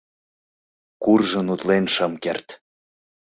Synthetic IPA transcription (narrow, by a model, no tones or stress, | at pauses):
kurʒə̆nut̪lenʃəmkert̪